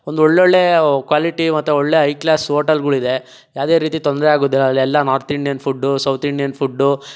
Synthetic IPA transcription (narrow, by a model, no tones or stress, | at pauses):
ond̪uɔɭːeoɭːekʋaːliʈimɐt̪ːuɔɭːe̞ːɦɐjklaːsoːʈɐlɡɐɭid̪e̞ | jaːʋd̪e̞ːɾiːt̪it̪ond̪ɾɛaːɡoːd̪ilːɐlːiɛlːɐnaːɾt̪iɳɖijɐnpʰuɖːusɐwt̪ʰiɳɖijɐnpʰuɖːu